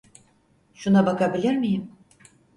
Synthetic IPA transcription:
ʃunabakabilʲiɾmijɪm

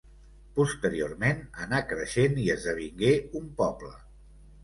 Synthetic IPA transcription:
pust̪əɾiormenənakɾəʃeniəzðəβ̞iŋɡeumpɔblə

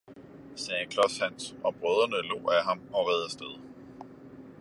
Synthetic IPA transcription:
sɛːkʰlɒ̽shæn̰sɒ̽b̥ʁœð̞ˠɐnəlo̝̰ːæɦɑ̈mɒ̽ʁɛðˠæsd̥eð̞ˠ

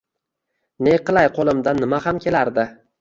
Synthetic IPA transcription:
neqʰɨlˠajqʰolˠɪmd̪anːɪmahamkʲe̞laɾd̪ɪ

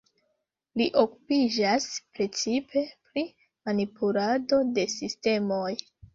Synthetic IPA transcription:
liʔo̞ku̥pid͡ʒaspɾe̞t͡sipʰe̞pɾi | manipulado̞de̞siste̞mo̞j

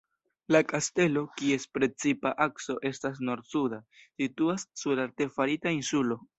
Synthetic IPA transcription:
lakaste̞lo̞kie̞spɾe̞t͡sipaʔakso̞ʔe̞stas̬no̞ɾsudasituasːuɾaɾte̞faɾitainsulo̞

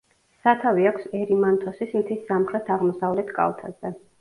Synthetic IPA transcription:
sat̪ʰaviakʰsɛɾimant̪ʰɔsismt̪ʰisːamχɾɛt̪ʰaʁmɔsavlɛt̪ʰkʼa̰lˠt̪ʰazɛ

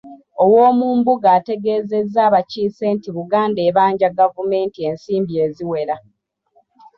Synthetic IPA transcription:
o̞woːmuːmbuɡaːte̞ɡe̞ːze̞zːaːβaciːse̞ːntiβuɡaːnde̞ːβaːɲɟaɡavume̞ːntie̞nsiːmbie̞ːziwe̞ɾa

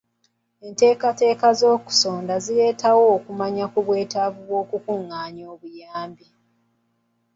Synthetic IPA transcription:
e̞nte̞ːkate̞ːkazo̞ːku̥so̞ːndazile̞ːtʰawo̞ːkumaɲakuβwe̞ːtavuβwo̞ːkukuŋːaːɲo̞ːβujaːmbi

